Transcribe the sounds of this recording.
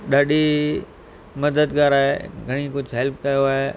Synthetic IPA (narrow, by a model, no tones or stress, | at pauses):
ɗaːɗi | mɐd̪əd̪ɡaːɾaːɦeɡʱɐɽ̃ikʊd͡ʑʱɦeːlp̚kɐjoaːɦeː